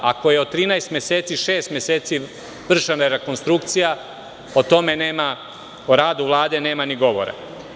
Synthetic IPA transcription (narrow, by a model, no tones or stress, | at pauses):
ako̞je̞ot̪ːɾiːnaest̪mjeseːt̪siʃe̞ːst̪mjeseːt̪si | ʋr̩ʒanajeɾe̞ko̞nst̪ɾukt̪sija | ot̪o̞me̞neːma | oɾaːd̪uʋlˠaːd̪e̞ne̞ːmaniɡo̞ʋo̰ɾa̰